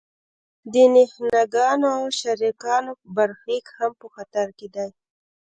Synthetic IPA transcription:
d̪ənɪhnaɡɑnoawʃaɾikɑnobaɾxikhampəxat̪aɾked̪aj

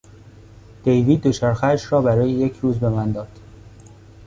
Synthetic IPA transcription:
d̪̥ejviːd̪̚ːot͡ʃʰæɾxæʃɾɒːbæɾɒːjeje̞cʰɾuːzbe̞mænd̪ɒːd̪̥

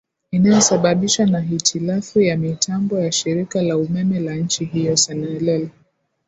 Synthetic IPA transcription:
inajɔsaɓaɓiʃanaɦitʰilafujamitʰambɔjaʃiɾikalaumɛmɛlaɲ̩t͡ʃiɦijɔsanɛlɛlɛ

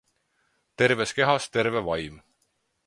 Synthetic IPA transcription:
t̪e̞ɾve̞ske̞ɦɑst̪e̞ɾvevɑjm

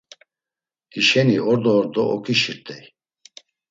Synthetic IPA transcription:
d̪iʃɛniɔɾd̪ɔːɾd̪ɔʔɔkʰʼiʃiɾt̪ʼɛj

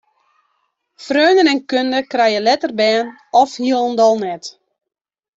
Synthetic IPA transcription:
frøːnənɛnkøndəkrɛjəlɛtərbɛːn | ɔfhiəlˠəndɔlˠnɛt

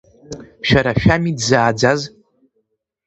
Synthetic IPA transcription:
ʃᶣaɾaʃᶣamidzaːd͡zaz

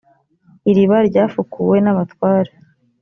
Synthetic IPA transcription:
iɾiβaɾɟaːfukuwe̞naβatwaːɾa

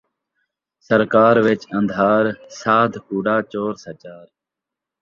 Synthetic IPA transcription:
səɾkaːɾʋɪt͡ʃə̃nd̪ʱaːɾsaːd̪ʱkuːɖaːt͡ʃoːɾsət͡ʃaːɾ

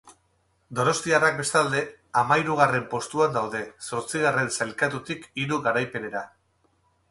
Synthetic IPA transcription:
d̪o̞no̞st̪iarak̚be̞st̪ald̪e̞ | amaiɾuɣ̞are̞mpo̞st̪uand̪awðe̞so̞ɾt͡siɣ̞are̞nsalkat̪ut̪ikiɾuɣaɾajpe̞ne̞ɾa

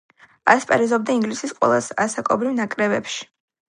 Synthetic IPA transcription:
a̰spʼaɾizɔbd̪aiŋɡlisisqʼwɛ̰lˠasasakʼɔbɾivnakʼɾɛbɛpʃi̥

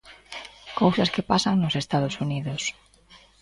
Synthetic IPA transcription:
kowsaskepasaŋnosest̪að̞osuniðos

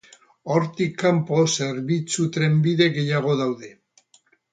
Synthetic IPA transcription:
oɾt̪ikːampo̞seɾβit͡sut̪ɾe̞mbiðe̞ɣe̞jaɣ̞o̞ðawðe̞

